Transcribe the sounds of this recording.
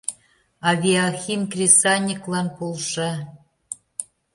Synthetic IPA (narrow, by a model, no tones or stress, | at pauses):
ɑβʲiɑxʲimkrʲesɑnʲiklˠɑnpolˠʃɑ